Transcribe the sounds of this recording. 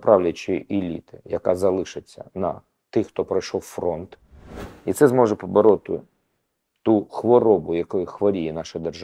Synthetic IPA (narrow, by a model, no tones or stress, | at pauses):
pɾʔɑwlʲɐt͡ʃɪʔilʲḭt̪ɪjɐkɑzɐlˠɪʃɪt͡sʲːɐ̰nɐ̰ | t̪ɪxt̪ɔpɾɐjʃɔwfɾɔnt̪ | it̪sɛzmɔʒɛpɔbɔɾɔt̪ɪ̰ | t̪uxʋɔɾɔbʊjɐkɔjʊxʋɔɾʲijɛnɑʃɪd̪erʒ